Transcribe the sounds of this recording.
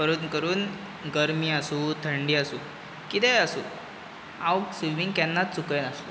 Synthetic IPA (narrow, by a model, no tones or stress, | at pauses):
pəɾuːd̪kəɾuːn | ɡəɾmiːasuːt̪ʰəɳɖiːasuː | kit̪ɛjasṵː | ãwksiʋiŋɡkɛnːat̪̚t͡sukənasu